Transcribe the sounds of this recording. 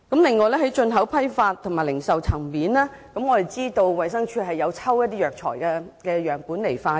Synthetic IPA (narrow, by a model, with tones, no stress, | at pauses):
kɐ˨˥mlɪ˨ŋːɔː˨˧jlɛː˥hɐ˨˥jt͡ʃɵ˧nɦɐ˨˥wpʰɐ˥jfaː˧t̪̚ʰŋmaː˨˩jlɪ˨˩ŋsɐ˨wt͡sʰɐ˨˩ŋmiː˨˥nɛː˥ | kɐ˨˥mŋɔː˨˧t̪e˨jt͡siː˥t̪o˧wwɐ˨jsɐ˥ŋt͡ʃʰyː˨˧ɦɐ˨jːɐ˨˧wt͡sʰɐ˥wjɐ˥t̪̬iː˥jœː˨k̚t͡ʃʰɔ̰ː˨˩jkɛː˧kɛː˧jœː˨˩ŋpuː˨˥nle˨˩jfaː˧